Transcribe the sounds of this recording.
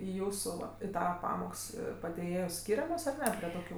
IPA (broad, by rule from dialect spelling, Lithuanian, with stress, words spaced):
ɪ ˈjuːsuː ˈʋɐ ɪ ˈtɑːʋɐ ˈpɑːmoːks pɐdʲeːˈjeːjoːs ˈsʲkʲiːrʲɛmoːs ɐr ˈnʲɛ pʲrʲiɛ toːˈkʲuː